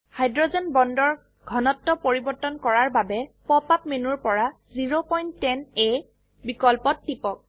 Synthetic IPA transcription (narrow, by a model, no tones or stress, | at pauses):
hajdɹɔzɛnbɔndɔɹ | ɡʱɔnɔtːɔpoɹibɔɹtɔnkɔɹaɹbabɛpɔpap̚menuɹpɔɹa | ziɹopɔjntːɛne | bikɔlpɔtːipɔk̚